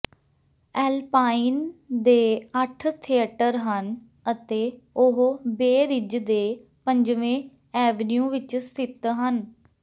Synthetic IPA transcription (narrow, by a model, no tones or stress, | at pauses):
ɛːlpaːind̪eːəʈʰt̪ʰiːəʈəɾɦən | ət̪eː | ʊɦbeːɾɪd͡ʒd̪eː | pəɲd͡ʒʋẽː | ɛːʋnjũːʋɪt͡ʃsɪt̪ɦən